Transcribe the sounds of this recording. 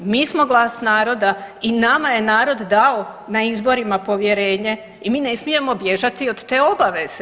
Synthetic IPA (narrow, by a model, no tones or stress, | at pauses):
miːsmo̞ɡlˠaːsnaːɾo̞d̪ainamaje̞naːɾo̞d̪d̪aonaizbo̞ɾimapo̞ʋje̞ɾe̞ːɲe̞ | imiːne̞smije̞mo̞bje̞ʒat̪iod̪t̪e̞ːo̞baʋe̞z̥e